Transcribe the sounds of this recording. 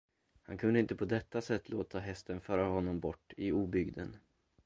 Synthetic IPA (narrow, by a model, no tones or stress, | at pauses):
hankʰɵnd̪əɪnt̪əpʰɔd̪ɛt̪ːasɛt̪ːloːt̪ʰaɦɛst̪ənfœːɾaɦɔnːɔmbɔʈːɪuːbʏɡd̪ən